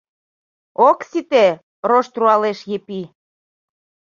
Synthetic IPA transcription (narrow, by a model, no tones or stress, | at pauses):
oksit̪e | roʃt̪ruɑleʃjepi